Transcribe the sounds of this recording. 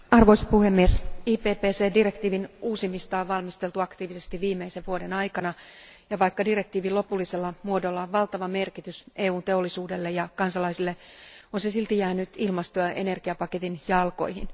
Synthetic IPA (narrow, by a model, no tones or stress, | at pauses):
ɑrʋoisɑ̥puhemːiesiːpeːpeːse̞ːdirekt̪iːʋinuːsimːist̪ɑːʋɑlmist̪elt̪uɑkt̪iːʋise̞st̪iʋːiːmːeiseʋʋuodenɑjkɑnɑjɑʋɑikːɑdirekt̪iːʋilo̞pulːiselːɑmuodo̞lːɑʋɑlt̪ɑʋɑme̞rkit̪ysʔeːuːnt̪e̞o̞lːisuːdelːejɑkɑnsɑlɑisilːeonsesilt̪ijæːnyt̪ilmɑst̪oɑʔe̞̰ne̞rɡ̥iɑpɑket̪injɑlko̞̰ihḭn